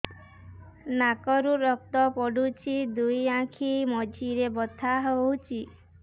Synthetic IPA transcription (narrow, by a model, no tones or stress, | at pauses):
nakɔɾuɾɔk̚t̪ɔpɔɽut͡ʃʰid̪ujãkʰimɔd͡ʒʱiɾebɔt̪ʰaɦowt͡ʃʰi